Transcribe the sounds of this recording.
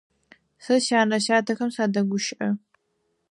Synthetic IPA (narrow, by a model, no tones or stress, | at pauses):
sɨʃaːnɐʃaːtʰɐxɐmsaːdɐɡʷʊʃʔɐ